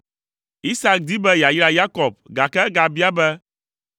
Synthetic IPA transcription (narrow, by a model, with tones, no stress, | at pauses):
i˦sa˦k̚d̪i˦bɛ˦ja˨jla˨ja˦kɔ˨b̚ɡa˨kɛ˦ɡa˨bi˦a˦bɛ˦